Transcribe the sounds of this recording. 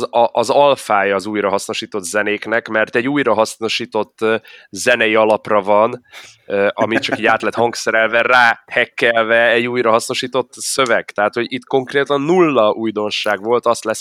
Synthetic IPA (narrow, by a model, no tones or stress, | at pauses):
ʔːzɒlfaːjɒːzuːjrɒɦɒsno̞ʃiːt̪o̞t̪ːzɛneːknɛkmɛrt̪ɛɟuːjrɒɦɒsno̞ʃiːt̪o̞t̪ːzɛnɛjiɒlɒprɒvɒnøʔɒmit͡ʃɒkɛɟaːt̪lɛt̪hɒŋksɛɾɛlvɛraːhɛkːɛlvɛɛɟːuːjrɒɦɒsno̞ʃiːt̪o̞t̪ːsø̞vɛɡ̥t̪ɛɦaːt̪hoɟit̪ko̞ŋkreːt̪ɒnːulːɒʔuːjd̪o̞nʃaːɡʋo̞lt̪ɒst̪lɛs